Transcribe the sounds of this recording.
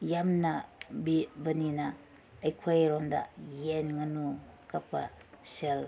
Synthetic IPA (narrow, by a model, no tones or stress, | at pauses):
jamnabibɐninaː | jkʰajɾonda̰jenŋɐnukapa̰sel